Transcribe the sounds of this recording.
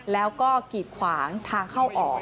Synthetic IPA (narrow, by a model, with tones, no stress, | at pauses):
lɛː˦˥wkɔː˥˩kiː˨˩t̪̚kʰwaː˩˦ŋt̪ʰaː˧ŋkʰa˥˩wʔɔː˨˩k̚